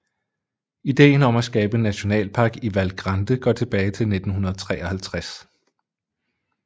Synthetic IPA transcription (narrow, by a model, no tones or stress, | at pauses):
id̥e̝̰ːn̩ɒ̽mæsɡ̥ɛːb̥ənːæɕo̝nɛ̰ːlpʰɑ̈ːɡ̥iʋælɡ̥ʁɑnd̥əɡ̥ɒ̰t͡sʰe̝b̥ɛːɪt͡sʰe̝lne̝d̥n̩ɦunɐðˠt͡sʰʁɛ̰ːɒhælt͡sʰʁas